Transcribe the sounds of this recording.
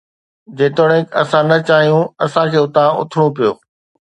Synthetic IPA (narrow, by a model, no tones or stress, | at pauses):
d͡ʑeːt̪oːɽə̃ɦɪ̃kɐsãnɐt͡ɕaːɦijũɐsãkʰeːʊt̪ãʊ̰t̪ʰɪɽ̃ũpijo̰ː